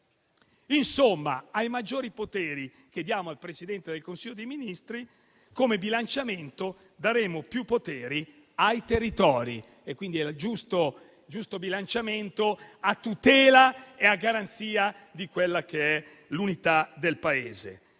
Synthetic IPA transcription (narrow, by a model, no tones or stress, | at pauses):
insomːa̰ajmad͡ʒːoːɾipot̪eːɾi | ked̪ːjaːmoalpɾesid̪ɛnt̪ed̪elkonsiʎːod̪ejminist̪ɾi | komebilant͡ʃament̪o | d̪aɾeːmopjupːot̪eːɾi | ajt̪erːit̪ɔːɾḭ | ekːwind̪iɛld͡ʒust̪o | d͡ʒust̪obilant͡ʃament̪oat̪ːut̪ɛːlaeaɡːaɾant̪siːad̪ikwelːakeɛ | lunit̪ad̪elpaeːzḛ